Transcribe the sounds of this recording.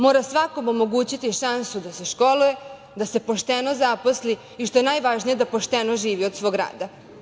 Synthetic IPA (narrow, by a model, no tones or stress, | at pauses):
mo̞ːɾasʋako̞mo̞mo̞ɡuːt͡ɕit̪iʃansud̪ase̞ʃko̞luje | d̪ase̞po̞ʃt̪eno̞zaposli | iʃt̪o̞je̞najʋaʒnije̞d̪apo̞ʃt̪enoʒiːʋiod̪sʋoɡɾa̰ːd̪a